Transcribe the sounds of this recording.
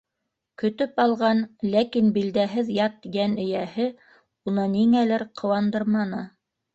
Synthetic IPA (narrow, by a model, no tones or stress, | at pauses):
kɵ̆t̪ɵpɑlˠʁɑnlækinbild̪æɦɘðjɑt̪t̪ːiɡænɘ̆jæhɘ | unɤniŋælɘɾqʰɤ̆wɑnd̪ɤɾmɑnɤ